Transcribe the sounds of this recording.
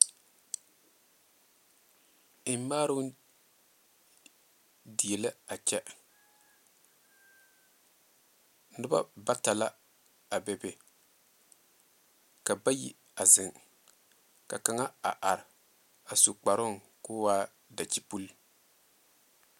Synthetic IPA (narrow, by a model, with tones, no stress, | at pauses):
ɪ˦m˦maː˦ɾʊ˦ | di˨jɛ˨lɪ˦a˨t͡ʃɛ˦ | nɨ˦ba̰˦ba˦ta˨la˦ | a˨bɛ˨be˨ | ka˨ba˦jḭ˨ | a˨zɪ˨ŋ | ka̰˨ka˨ŋa˦a̰˨ʔa˨ɾɪ˨ | a˨su˨k͡pa˨ɾʊ˦ŋ | kʊː˦waː˦ | da˨t͡ʃi˦pu˦l